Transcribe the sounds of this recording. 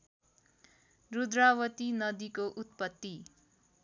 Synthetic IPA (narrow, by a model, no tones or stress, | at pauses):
rud̪rawʌt̪inʌd̪ikoʔut̪̚pʌt̪ːi